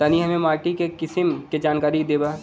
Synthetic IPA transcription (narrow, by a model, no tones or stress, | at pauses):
t̪ɐniɦɐmẽmaːɾʈikekɪsɪmked͡ʒaːnkaːɾikd̪eːba